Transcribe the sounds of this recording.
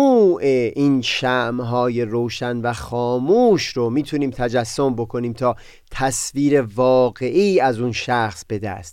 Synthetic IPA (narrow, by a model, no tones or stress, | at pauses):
uːʔeʔiːnʃæʔmɦɒːje̞roːʃænvæxɒːmuːʃɾomiːt̪ʰuniːmt̪ʰæd͡ʒæsːombo̞kʰo̞niːmt̪ʰɒː | t̪ʰæsviːɾe̞vɒːɣeʔiːæzunʃæxsb̥e̞d̪æ̰st̪